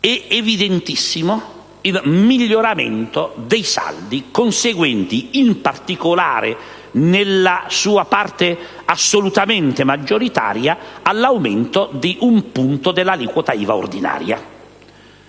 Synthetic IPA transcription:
ɛevid̪ent̪isːimo | ilmiʎːoɾamḛnt̪od̪ɛjsa̰ld̪ikonseɡwɛnt̪iimpart̪ikola̰ːɾɪ̰ | nɪlːasuːapart̪ɪ | asːolut̪ament̪emad͡ʒːoɾit̪a̰ːɾjaalːawment̪od̪iʔumpunt̪od̪elːalikwɔt̪aiːvao̰rd̪ina̰ːɾja̰

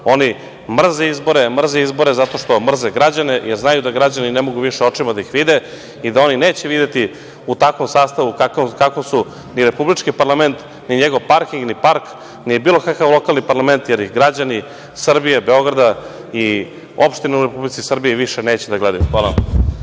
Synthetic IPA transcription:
o̞ni | mr̩zeizbo̞ɾemr̩zeizbo̞ɾe̞zat̪o̞ʂt̪o̞mr̩zeɡɾad͡ʑanejeɾznajud̪aɡɾad͡ʑaninemo̞ɡuʋiʃeo̞t͡ʂimad̪aixʋid̪e̞ | id̪ao̞nineːt͡ɕeʋid̪et̪i | ut̪akʋo̞msaːst̪aʋukakkakosu | niɾe̞publit͡ʃkipaɾlˠame̞nt̪ | niɲeɡo̞ʋpaɾkiŋɡnipaɾk | nijebiːlˠo̞kakaʋlˠo̞kalnipaɾlˠame̞nt̪jeɾjiɡɾad͡ʑani | sr̩bijebe̞o̞ɡɾad̪a | i | o̞pʃt̪ineuɾepublit̪sisr̩biiʋiʃeneːt͡ɕed̪aɡled̪ajuxʋaːlˠaa

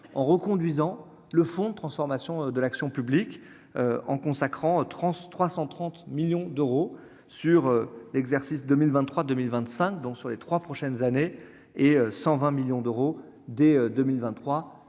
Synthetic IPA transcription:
ɑ̃ʁəkɔ̃d̪ɥizɑ̃ | ləfɔ̃d̪ət̪χɑ̃sfɔʁmasjɔ̃d̪əlaksjɔ̃pyblik | øɑ̃kɔ̃sakχɑ̃t̪χɑ̃t̪χwasɑ̃t̪χɑ̃t̪miljɔ̃d̪øʁo | syʁølɛɡzɛʁsisd̪əmilvɛ̃nt̪ːχwad̪əmilvɛ̃t̪sɛ̃kd̪ɔ̃ksyʁlet̪χwapχɔʃɛnzane | eøsɑ̃vɛ̃miljɔ̃d̪øʁo | d̪eød̪əmilvɛ̃χwa

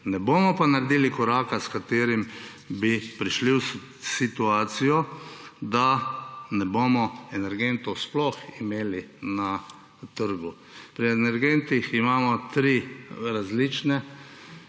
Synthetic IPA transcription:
nɛboːmɔpanaɾed̪iːlikɔɾaːkaskat̪eːɾim | bipɾiʃliw | sit̪uaːt̪sijɔd̪anɛboːmɔɛnɛɾɡent̪ɔsplɔximeːlina | t̪əɾɡu | pɾiɛnɛɾɡent̪iximaːmɔt̪ɾiɾazlit͡ʃnɛ

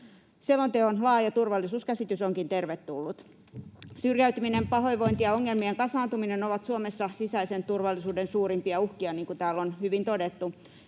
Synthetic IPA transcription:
sielːont̪eonlɑːjɑt̪urʋɑlːisuːskæsit̪ysoŋkint̪erʋet̪ːulːut̪ | syrjæyt̪yminempɑhoiʋoint̪iɑoŋːelmieŋkɑsɑːnt̪uminenoʋɑt̪suomesːɑsisæisent̪urʋɑlːisuːdensuːɾimpiɑuhkiɑniːŋkut̪æːlːonhyʋint̪odet̪ːu

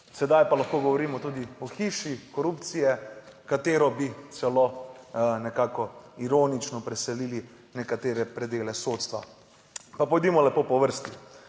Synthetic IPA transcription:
sɛd̪ajpalaxkoɡɔʋɔɾiːmɔt̪uːd̪iɔxiːʃikɔɾupt̪sijɛkat̪eːɾɔbit̪sɛlo | nɛkaːkɔiɾoːnit͡ʃnɔpɾɛsɛliːli | nɛkat̪eːɾɛpɾɛd̪eːlɛsoːt̪st̪ʋa̰ | papɔjd̪imɔlɛpopɔʋəɾst̪i

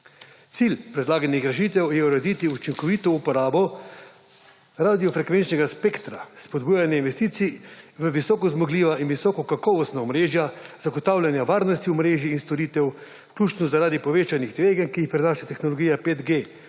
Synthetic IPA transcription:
t̪silpɾɛd̪laːɡanixɾɛʃ̬iːt̪ɛwjɛuɾɛd̪it̪iut͡ʃiŋkɔʋiːt̪ɔupɔɾaːbɔ | ɾaːd̪ijɔfɾɛkʋent͡ʃnɛɡaspekt̪ɾa̰spɔd̪buːjanjɛinʋɛst̪iːt̪siʋəʋisɔːkɔzmɔɡliːʋaʔinʋisɔkɔkakɔʋɔst̪naɔmɾeːʒjaz̥aɡɔt̪awlʲjanjaʋaːɾnɔst̪iɔmɾeːʒjiːnst̪ɔɾit̪ɛw | wklʲuːt͡ʃnɔzaɾaːd̪ipɔʋeːt͡ʃanixd̪ʋeːɡənkiːxpɾinaːʃat̪ɛxnɔlɔɡiːjapet̪ɡe

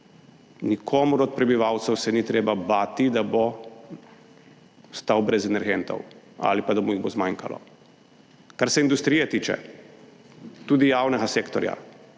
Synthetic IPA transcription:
nikʰoːmuɾɔt̪̚pɾɛbiʋawt̪sɛwsɛnit̪ɾeːbabaːt̪id̪abo | st̪awbɾɛzɛnɛɾɡent̪ɔ̰w | a̰lipad̪amujiɣbozmaŋka̰lɔ̰ | kaɾsɛind̪ust̪ɾiːjɛt̪iːt͡ʃɛ̰ | t̪uːd̪ijaːwnɛɡaseːkt̪ɔɾja̰

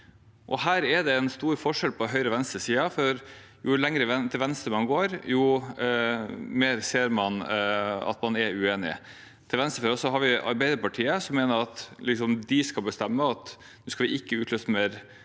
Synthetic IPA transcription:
ʔɔ̰ɦæːɾɛd̪ɛɛnst̪uːɾfɔʂɛlpʰɔɦœʏɾəʋɛnst̪ɾəsiːɑfɔɾ | jʊlɛŋɾət̪ʰɪlʋɛnst̪əmɑnɡoːɾjʊ | meːɾseːɾmɑnɑ̰t̪mɑnɛʉeːnɪ̰ | t̪ʰɪlʋɛnst̪ɾəfɛːɾəsɔɦɑɾʋɪʔɑ̰ɾbæɪd̪əɾpɑʈʰiːəsɔmːeːnəɾɑt̪lɪksɔmd̪ɪskɑlbəst̪ɛmːəɑt̪ | nʉːskɑʋɪʔɪkːəʉːt̪løːst̪əmeɾ

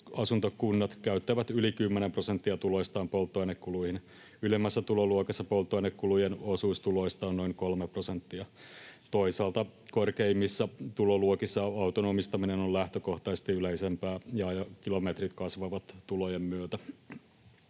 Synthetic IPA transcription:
ɑsunt̪okunːɑt̪kæyt̪ːæʋæt̪ylikymːenempro̞sent̪ːiɑt̪ulo̞ist̪ɑːmpolt̪ːoenekkuluihin | ylemːæsːæt̪uloluokesːɑpolt̪ːˑoinekkulujenosuːst̪uloist̪ɑːnnoiŋko̞lmepro̞sent̪ːiɑt̪o̞isɑːlt̪ɑkorkeimːisːɑt̪uloluokisːɑɑwt̪onoːmist̪ɑminenolæht̪øko̞ht̪ɑsest̪iyleisempæːjɑjɑkilomet̪rit̪kɑsʋɑʋɑt̪t̪ulojemmyøt̪æ

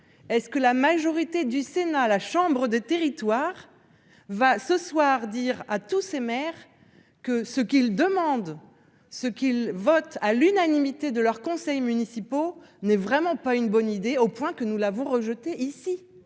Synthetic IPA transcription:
ɛskəlamaʒɔʁit̪ed̪ysenalaʃɑ̃bʁəd̪et̪eʁit̪waʁ | vasəswaʁd̪iʁat̪usemɛʁ | kəsəkʲild̪əmɑ̃d̪ | səkʲilvɔt̪alynanimit̪ed̪əlœʁkɔ̃sɛjmynisipo | nɛvʁɛmɑ̃paynbɔnid̪eopwɛ̃kənulavɔ̃ʁəʒət̪eʔisi

